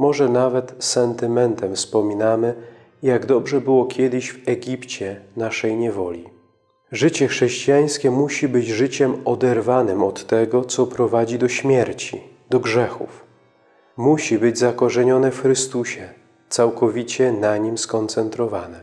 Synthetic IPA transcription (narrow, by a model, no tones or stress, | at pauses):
mɔʐɛnavɛt̪sɛnt̪ɘmɛnt̪ɛmfspɔmʲinamɘ | jaɡd̪ɔbʐɛbɘwɔkʲʰɛd̪ɘɕvɛɡʲipt͡ɕɛnaʂɛjɲɛvɔlʲi | ʐɘt͡ɕɛxʂɛɕt͡ɕijaj̃skʲɛmuɕibɘd͡ʑʐɘt͡ɕɛmɔd̪ɛɾvanɘmɔt̪ːɛɡɔt̪sɔpɾɔvad͡ʑid̪ɔɕmʲjɛɾt͡ɕḭ | d̪ɔɡʐɛxṵf | muɕibɘd͡ʑzakɔʐɛɲɔnɛfxɾɘst̪uɕɛ | t̪sawkɔvʲit͡ɕɛnaɲimskɔnt̪sɛnt̪ɾɔvanɛ